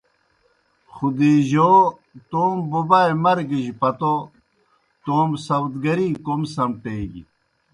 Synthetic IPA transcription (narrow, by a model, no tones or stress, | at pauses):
xud̪iːʑoː | t̪oːmbubaemɐɾɡiʑpɐt̪o | t̪oːmsɐwt̪ɡɐɾiːkomsɐmʈeːɡḭ